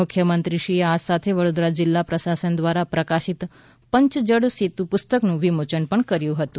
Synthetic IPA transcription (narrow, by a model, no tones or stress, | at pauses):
ʊkʰjəmənt̪ɾiʃieasat̪ʰeʋəɽod̪ɾad͡ʒɪlːapɾəsasənd̪ʋaɾapɾəkaʃit̪ | pəɲt͡ʃd͡ʒəɽsit̪ũpʊst̪əknũʋimot͡ʃənpəɳkəɾjũɦət̪ũ